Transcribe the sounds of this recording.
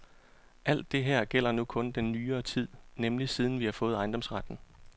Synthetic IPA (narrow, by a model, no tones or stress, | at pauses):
ʔæl̰d̥ːe̝ɦɛɐ̰ɡ̥el̰ɐnukʰɔ̽nd̥enːyːɐːt͡sʰið̞̰ˠnemlisið̞ˠn̩ʋihɑ̈fɔ̽ːð̩ˠɑ̈ɪnd̥ɒ̽msʁad̥n̩